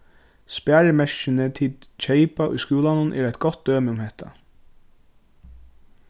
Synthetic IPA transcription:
spæːɾmɛʃɪnət̪ʰiːlt͡ʃʰeɪpaʔʊ̰jskuːlanʊnʔɛ̰ːɾæjt̪̚ɡɔt̪̚d̪øːmɪʊmhɛht̪ʰa̰

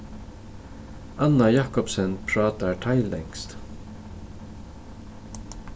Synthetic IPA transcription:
anajɑːkɔpsɛnpʰɹɑːt̪atʰaɪlɛ̰ŋkst̪

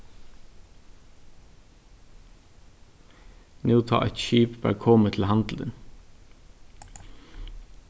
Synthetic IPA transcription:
nʉːt̪ʰɑ̰ːʔɛt̪ʃiːpbæ̰ːɾkʰɔmət̪ʰl̩hɑnd̪l̩ə̰n

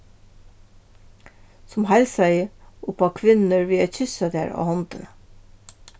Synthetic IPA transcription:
sʊmhælsæɪʔʊpɑkʰʋɪnəɹʋiːæçʏsɑd̪ḛːɹo̰ːhɔnt̪ə

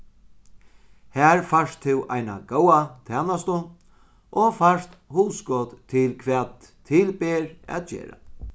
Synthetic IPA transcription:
hæːɹfaʂt̪ʰːɪwʔa̰jna̰ɡoːwat̪ʰɛːnast̪ʊ | ʔɔfaʂt̪huːskɔːt̪t̪ʰɪlkʰʋɛːt̪ʰː | ɪlpɛːɾæ̰t̪̚d͡ʒḛːɾa̰

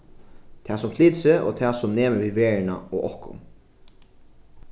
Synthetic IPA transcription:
t̪ʰɛːsʊmfliːt̪seːʔo̰ːt̪ʰɛːsʊmneːməʋiːʋeːɹɪna̰oɣʔɔhkʊ̰n

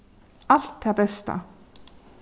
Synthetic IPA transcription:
alt̪ʰːeabɛst̪a̰

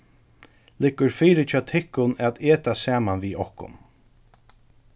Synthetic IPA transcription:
lɪkːʊɾfiːɾɪt͡ʃʰaːt̪ʰɪhkːʊnɛt̪eːt̪asaːmanʋiːɔhkʊ̰n

